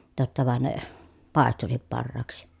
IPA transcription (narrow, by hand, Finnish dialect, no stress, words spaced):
totːɑ ʋɑn ne pɑˑestusip pɑrːɑːksi